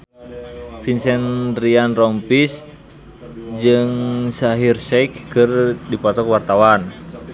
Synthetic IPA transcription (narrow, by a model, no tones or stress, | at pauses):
finsɛnrianrɔmpis | d͡ʒɨŋsaɦirsɛkkɨrdipɔt̪ɔkwart̪awan